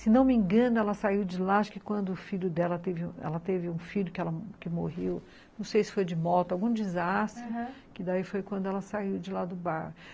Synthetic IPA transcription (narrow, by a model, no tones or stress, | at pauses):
sɪnɐ̃w̃mĩŋɡɐ̃nʊɛlɐsaiwd͡ʒɪlaaʃkɪkwɐ̃nd̪ʊːfiʎʊd̪ɛlɐt̪evɪũɛ̰lɐt̪evɪũfiʎʊkɪɛlɐkɪmohew | nɐ̃w̃sejsɪ̥fojd͡ʒɪmɔt̪ʊawɡũd͡ʒɪzast̪ɾʊkɪd̪aifojkwɐ̃nd̪ʊɛlɐsaiwd͡ʒɪlad̪ʊbaɾhʊ